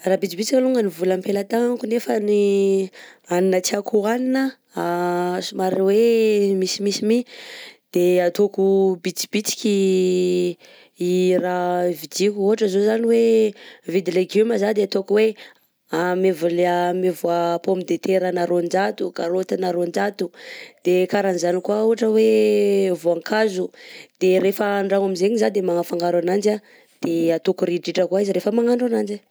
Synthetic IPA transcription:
rabit͡sibit͡sikaluŋənivulampelat̪aŋaŋkunefəni | aninət͡siakʰuaninə | asumaɾiwemisimisimid̪̥eat̪okubit͡si̥b̥it͡si̥kʲi | iravid͡ʒikuoʈ͡ʂəzozaniwevid̪leɡuməzad̪eat̪okuwe | amevulamevuapomid̪et̪eɾənaɾond͡ʒat̪ukaɾot̪inaɾond͡ʒat̪ud̪̥ekaɾanizanikuauɦaʈ͡ʂəwevoaŋkazud̪̥eɾefəːɳɖ͡ʐaŋaminzeɲizad̪emaŋafaŋɡaɾanand͡ʒa | d̪̥eat̪ukuɾiʈ͡ʂiʈ͡ʂəkuaiziɾefəmaŋaɳɖ͡ʐanand͡ʒa

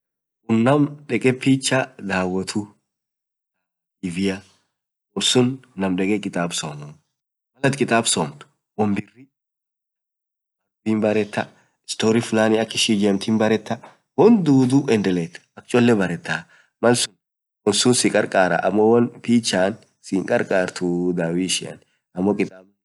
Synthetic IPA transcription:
ʔʊnːɐmᶑɛkʼɛpiːt͡ʃːad̪aːwɔt̪ʰu | ɪvɪjɐ | wɔlsʊnːɐmᶑɛkʼɛkʼɪt̪ʼaːbso̰ːnʊ | mɐlɐt̪kʼɪt̪ʼaːbsoːmt̪ʊ̥ | wɔmbɪrːɪ | ɐbiːnbɐɾɛt̪ːɐ̥ | st̪oːɾɪfʊlaːnɪɐkːɪʃid͡ʒɛmt̪inbɐɾɛt̪ːɐ | wɔnd̪uːd̪uʔɛnd̪ɛlet̪ːɐ̥ɐk̚t͡ʃʼɔlːɛbɐɾɛt̪ːaː | mɐlsʊn | wɔnsʊnsɪkʼɐɾkʼaːɾɐ̰ʔɐmːɔwɐnpiːt͡ʃːaːn | sɪŋkʼɐɾkʼaːɾt̪ʊd̪aːwiʃɪɐ̰n | ɐmːɔkʼɪt̪ʼaːb

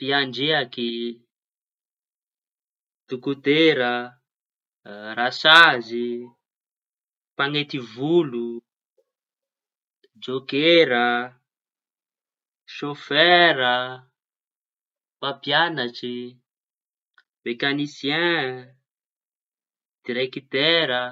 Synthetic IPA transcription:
piaɳd͡ʒeaki | t̪ukut̪eɾə | ɾasazi | paŋet̪ivulu | d͡ʒokeɾə | ʃofɛɾə | papjanat͡ʃi | v̥ekanisjɛ̃ | d̪̥iɾekit̪ɛɾə

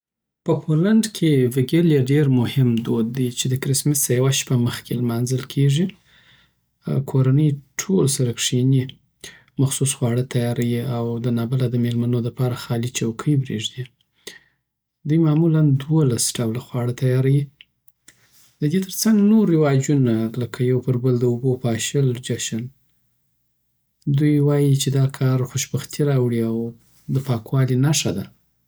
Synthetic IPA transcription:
pəpʰolaɳɖkʰevɪɡeljaɖeɾmʊhɪmd̪od̪ːejt͡ʃed̪əkɾɪsmɪsəjawaʃpaməxkʰelmɑnzəlkʰeʐi | kʰoɾanəjʈʰolsaɾakʂini | maxsusxwɑɽət̪ʰajɑɾajiawd̪ənɑbalad̪əmelmanolapɑɾaxɑlit͡ʃawkʰəjbɾeʐd̪i | d̪ujmɑmuland̪wolasɖawlaxwɑɽət̪ʰajɑɾawi | d̪əd̪et̪əɾt͡saŋɡnoɾːɪwɑd͡ʒunaləkʰajawpəɾbəld̪əubopɑʃəld͡ʒaʃan | d̪ujwɑjit͡ʃed̪ɑkʰɑɾxʊʃbaxt̪ʰiɾɑwɽiaw | d̪əpɑkwɑlinaʂad̪a

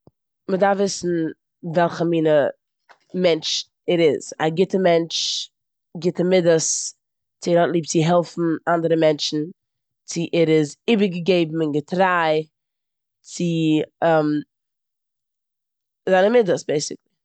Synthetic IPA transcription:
mədaɾvɪsn̩ | vɛlˠχəmiːnə | mɛnt͡ʃ | ɛɾɪz̥a̰ɡɪtəmɛnt͡ʃ | ɡɪtəmɪdəs | t͡sɪɛɾhɔtlˠiːp̚t͡sɪɦɛlˠfn̩andəɾəmɛnt͡ʃn̩ | t͡sɪʔɛɾɪzibəɾɡəɡeɪbm̩ɪnɡətɾaɪ | t͡sɪɛm | zaɪnəmɪdəsbeɪsɪklˠɪ

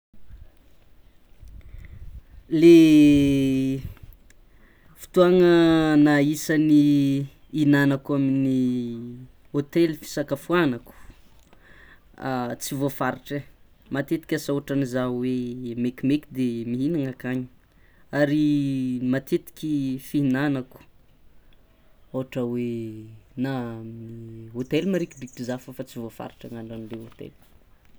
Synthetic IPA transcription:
le | fi̥t̪uaŋənaisani | inanakuamini | ot̪elifi̥sakəfuanaku̥ | t͡sivofaɾiʈ͡ʂə | mat̪et̪i̥kʲasaoʈ͡ʂanizawemekimekʲid̪emiɦinaŋakaɲi̥ | aɾimat̪et̪i̥kʲifiɦinanaku̥ | oɦaʈ͡ʂəwe | naaminiɦot̪elmaɾikbik̚tizafəfat͡sivofa̰ɾiʈ͡ʂaŋaɳɖ͡ʐanleot̪ḛl

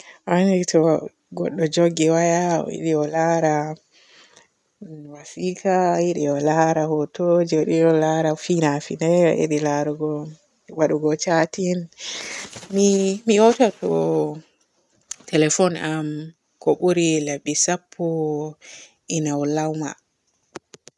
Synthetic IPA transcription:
ʔanitɔ | ɡɔ̰ɗːɔd͡ʒoɡɛwaja̰ḭɗiɔlaɾa | wasikʰajiɗiɔlaɾahɔtod͡ʒɗiɔlaɾafinafinɛɔ̰ʔḛɗilaɾuɡɔ | waɗuɡɔt͡ʃatin | mimiɔtatɔ̰ | tɛlɛfɔnam | kɔɓuɾilabːisapʰːu | inawlawma̰

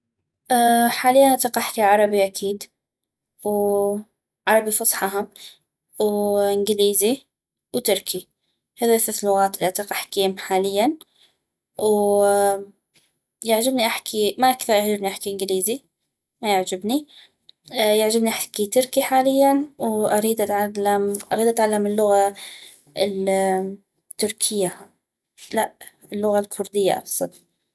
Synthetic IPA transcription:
ʔaħaːlɪjːanʔt̪ɑqɑħt̪iʕɑɾˤɑbiʔakʰiːd̪ | w | ʕɑɾˤɑbifɑsˤħɑɦʊm | wʔɪnɡɪliːzi | wt̪ɪɾkʰi | haðaθasnʊwaːt̪ʔɪlat̪aqaħkiːmħaːlɪjːan | w | jɪʕd͡ʒɪbniʔaħkʰimaʔakθɑɾˤjaʕd͡ʒɪbniʔaħkiʔɪnɡliːzi | majɪʕd͡ʒɪbni | jaʕd͡ʒɪbniʔaħkit̪ʊɾkiħaːlɪjːanwʔaɾiːd̪ʔat̪ʕalːamʔɑɾiːd̪ʔat̪ʕalːamɪlːʊɣa | ɪl | t̪ːʊɾkʰɪjːa | laʔ | ɪlːʊɣalkʰʊɾd̪ɪjːa̰ʔɑ̰fsˤɑt

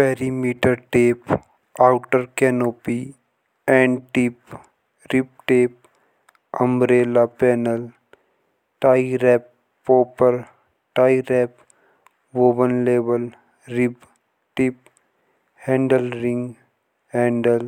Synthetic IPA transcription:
pɛːɾimiːʈəɾʈeːp | aːʊʈəɾkɛːnoːpi | ɛ̃ːɳɖʈɪp | ɾɪp̚ʈeːp̚ | əmɾeːlapɛːnəl | ʈaːiɾɛːp̚ː | oːpəɾ | ʈaːiɾɛːp | ʋoːbənleːʋəl | ɾɪb | ʈɪp | hɛ̃ːɳɖəlɾɪ̃ŋɡ | hɛ̃ːɳɖəl

